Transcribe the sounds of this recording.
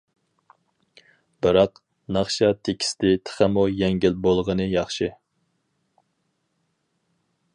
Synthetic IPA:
b̥ɨɾɑq | nɑχʃɑt̪ʰekʲʰi̥st̪ɪt̪ʰə̥χæmujɛŋɡʲɪlbolˠʁənɨjɑχʃɨ

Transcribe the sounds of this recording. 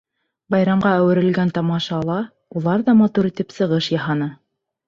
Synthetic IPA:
bɑjɾɑmʁɑæwɘ̆ɾɘ̆lɡænt̪ɑmɑʃɑːlˠɑ | ulˠɑɾðɑmɑt̪uɾit̪ɘpsɤ̆ʁɤʃjɑɦɑnɤ

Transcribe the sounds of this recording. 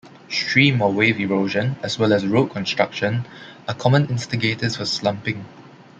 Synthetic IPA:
stɹiːmɔweviɹoʒə̃nɛswɛlɛsɹot̚kʰɔ̃nstɹ̥akʃə̃nakʰɔmə̃nɪ̃nstiɡetəsfɔslãmpɪ̃ŋ

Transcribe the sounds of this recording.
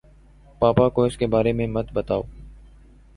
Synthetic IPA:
paːpakoɪskebaːɾemẽmət̪bət̪aːoː

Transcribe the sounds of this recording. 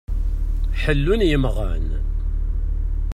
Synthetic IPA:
ħəlːʊnjəmʁə̰n

